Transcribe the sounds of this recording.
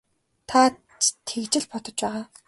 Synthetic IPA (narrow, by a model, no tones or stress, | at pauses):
t̪ʰa | t͡ɕt̪ʰekt͡ɕɪ̆ɮpɔt̪ɞ̆t͡ɕpæːʁaː